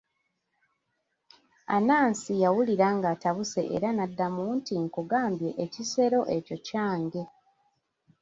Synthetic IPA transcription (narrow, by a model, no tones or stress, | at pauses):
a̰naːnsijawuliɾaŋɡataβuse̞ʔḛɾanadːamuntiŋkuɡaːmbje̞ʔːcise̞ɾo̞ʔe̞co̞caːŋɡe̞